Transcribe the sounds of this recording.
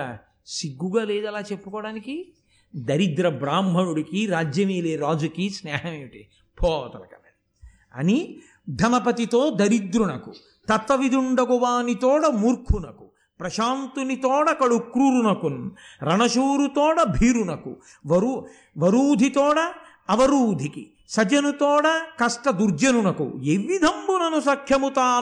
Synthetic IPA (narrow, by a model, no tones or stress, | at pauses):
siɡːuɡaːleːd̪ɐlaːt͡ʃepːu̥kɔːɽaːniki | d̪ɐɾid̪ɾɐbɾaːmbʱɐɳuɽukiɾaːd͡ʒjɐmiːleːɾaːd͡ʒukisnɛːɦɐmeʋiʈi | pʰɔːɐt̪ɐlɐkɐ̰nɐi | ɐ̰ni | d̪ʱɐnɐpɐt̪it̪oːd̪ɐɾid̪ɾunɐku | t̪ɐt̪ːɐʋid̪ʱuɳɖɐɡuʋaːnit̪ɔːɽɐmuːɾkʰunɐku̥ | pɾɐʃaːnt̪unit̪ɔːɽɐkɐɽukɾuɾunɐkunɾɐɳɐʃuːɾut̪ɔːɽɐbʱiːɾunɐkṵ | ʋɐɾu | ʋɐɾuːd̪ʱit̪ɔːɽɐː | ʋɐɾuːd̪ʱikḭ | sɐd͡ʒɐnut̪ɔːɽɐkɐsʈɐd̪uɾd͡ʒɐnunɐkṵeʋid̪ʱɐmbunɐnusɐkʰjɐmut̪aː